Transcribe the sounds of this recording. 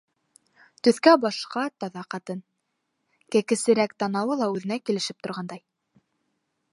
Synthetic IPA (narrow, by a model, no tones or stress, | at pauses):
t̪ɵ̆θkæbɑʃqɑt̪ɑðɑqɑt̪ɤn | kækɘ̆sɘ̆ɾækt̪ɑnɑwɤlˠɑʉðɘ̆nækilɘ̆ʃɘp̚t̪ŏɾʁɑnd̪ɑj